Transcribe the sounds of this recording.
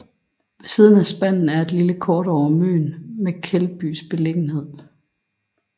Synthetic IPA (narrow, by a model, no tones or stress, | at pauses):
siːðˠn̩æsb̥æn̰n̩æɐe̝d̥liləkʰɒːɾɒʊɐmø̰ːnmekʰelb̥y̰sb̥e̝le̝ɡ̥n̩he̝ð̞̰ˠ